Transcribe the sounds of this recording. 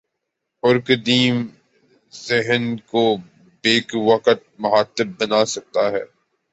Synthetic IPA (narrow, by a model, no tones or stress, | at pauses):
ʊɾkd̪iːm | zɪɦənko | beːkʋɐqət̪̚mɐɦaːt̪ɪbːɐnaːsɐk̚t̪aɦɛː